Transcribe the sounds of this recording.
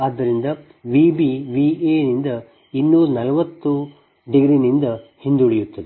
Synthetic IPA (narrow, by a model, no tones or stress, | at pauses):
aːd̪ːɐɾind̪ɐ | ʋibiʋieːnind̪ɐ | inːuːɾɐnɐlɐʋɐt̪ːu | ɖiɡɾinind̪ɐhind̪uɭejut̪ːɐd̪e